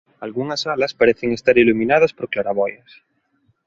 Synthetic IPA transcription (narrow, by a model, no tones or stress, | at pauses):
alɣuŋasalaspaɾeθeŋest̪aɾilumĩnað̞aspoɾklaɾaβɔjas